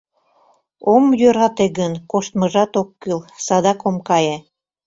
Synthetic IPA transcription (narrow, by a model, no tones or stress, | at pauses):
omjøɾɑt̪eɣənkoʃt̪̚məʒɑt̪okːylsɑd̪ɑkomkɑje